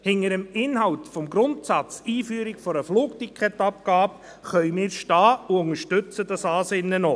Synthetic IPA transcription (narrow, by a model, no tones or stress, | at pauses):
hɪŋəɾəmɪnɦɑwt̪fɔmɡɾʊntsɑt͡siːfyːɾɪkfɔɾəfluːk̚tikʰχɛtɑp̚kɑːb | χœʏmɪːɾʃtɑːuʊŋəɾʃtʏt͡sədɑsɑːseːnəno